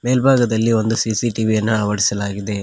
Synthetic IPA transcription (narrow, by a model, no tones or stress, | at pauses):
meːlbʱaːɡɐd̪ɐlːiʋo̞nd̪usisiʈiʋijɐnːɐɐɐʋɐɽisɐlaːɡid̪e̞